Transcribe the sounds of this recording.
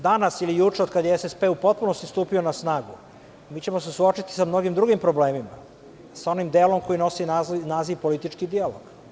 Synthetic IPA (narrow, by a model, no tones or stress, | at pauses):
d̪anasilijut͡ʃe̞od̪kad̪jeesespe̞ːupo̞t̪̚puno̞st̪ist̪uːpio̞nasnaːɡu | miːt͡ɕe̞mo̞se̞suo̞t͡ʃit̪i̥samno̞ɡimd̪ɾuɡimpɾo̞ble̞ːmima̰ | sao̞nimd̪eːlo̞mko̞jino̞sinaːziʋpo̞lit̪it͡ʃkid̪ialo̰ɡ̥